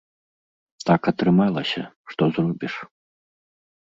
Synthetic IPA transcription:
t̪akɐt̪ɾɨmalˠɐsʲɐ̰ | ʂt̪ɔzrɔbʲiʂ

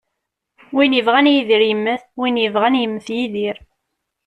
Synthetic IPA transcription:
winjəvʁænjiðiɾjəmːəθwinjəvʁanjəmːəθjiðiɾ

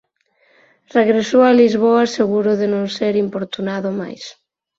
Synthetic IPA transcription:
reɣɾesoalizβoaseɣuɾʊðenõŋseɾimpoɾt̪unaðʊma̰js

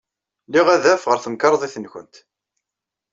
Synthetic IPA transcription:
liʁæðæfʁəɾθəmkɑɾˤðˤiθənçə̰nt̪

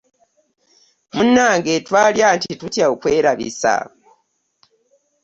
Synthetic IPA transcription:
munːaːŋɡeːtwaːljaːntitutjaokwe̞ːɾaβḭsa̰

